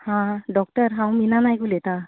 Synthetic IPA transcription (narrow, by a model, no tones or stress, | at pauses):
hãdɔk̚təɹɦawminanajɡulɛta